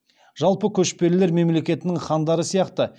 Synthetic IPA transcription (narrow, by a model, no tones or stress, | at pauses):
ʒ̥ɑlˠpəkʲʰɵʃpe̞ɾɪle̞ɾme̞mle̞kʲe̞t̪ɪnɪŋχɑnd̪ɑɾəsijɑqt̪ə